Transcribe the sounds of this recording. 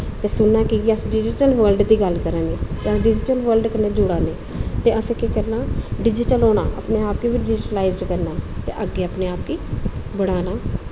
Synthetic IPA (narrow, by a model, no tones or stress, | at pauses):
t̪eːsʊɳːaːkiɡiəsɖɪd͡ʒɪʈəlʋəlɖd̪iːɡəlkəɾaːneːt̪eːəsɖɪd͡ʒɪʈəlʋəɾlɖkəɾnẽːd͡ʒʊɽaːneː | t̪eːəsekekəɾnaːɖɪd͡ʒɪʈəlɦoːɽa̰ːʔə̰pneːaːp̚kiːʋɪɖɪd͡ʒɪʈəlaːɪzɖkəɾnaːt̪ḛːʔəɡːeːəpneːaːp̚kiːbəɽ̃aːnaː